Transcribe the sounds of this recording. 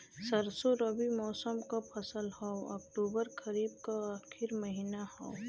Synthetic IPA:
səɾsoɾəbimɔːsəmkapʰɐsəlhɔoɔ̰kʈuːbəɾkɐɾiːb̚kaaːkʰɪɾmɐɦiːnahɔ

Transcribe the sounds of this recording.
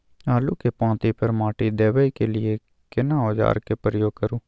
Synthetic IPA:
aːluːkepãːt̪iːpʰəɾmãːʈiːd̪eːʋəiːkeːlɪeː | kɪnãːoːd͡ʒa̰ːɾkeːpəɾəjoːɡ̚kəɾuː

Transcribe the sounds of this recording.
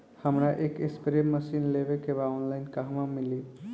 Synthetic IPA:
həmɾaʔekespɾemːəsinlebekebaonlaɪnkaɦmamili

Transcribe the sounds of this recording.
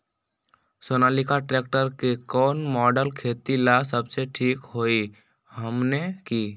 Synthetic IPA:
sonalikaʈɾek̚ʈəɾkekɔːnmɔːɖəlkʰeːt̪ilasəbseʈʰiːkɦoi | həmnekiː

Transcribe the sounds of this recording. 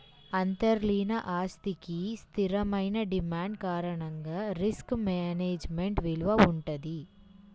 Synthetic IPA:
ɐnt̪ɐɾliːnɐʔaːst̪ikist̪iɾɐmɐjnɐɖimaːɳɖ̚kaːɾɐɳɐŋɡaːɾiskmeːneːd͡ʒmeɳʈʋiɭuʋɐuɳʈɐd̪i

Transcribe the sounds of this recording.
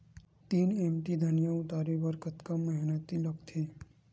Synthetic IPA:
t̪iːnemʈid̪ʱənjãʊt̪aːɾebəɾkət̪kaməɦɪnət̪iləkt̪ʰeː

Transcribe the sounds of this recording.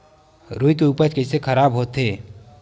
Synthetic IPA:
ɾuːikeupəɾt͡ʃkəɪsekʰəɾaːbɦoːt̪ɦeː

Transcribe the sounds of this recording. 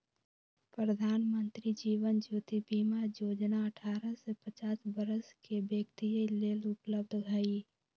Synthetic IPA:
pɾɾəd̪ʱaːnmə̃nt̪ɾid͡ʒiːʋənd͡ʒuːt̪ibiːmajoːd͡ʒnaɐʈʰaːɾəsepət͡ʃaːsbəɾəskebjekt̪ijəleːlʊpləb̚d̪ʱɡɐi

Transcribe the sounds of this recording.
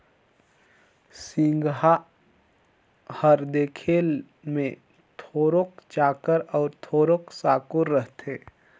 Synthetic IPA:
sɪ̃ŋɡɦa | həɾd̪eːkʰeːl | mẽ | t̪ʰoːɾokd͡ʒaːkəɾɔːɾt̪ʰoːɾoksaːkʊɾːəɦt̪ʰeː

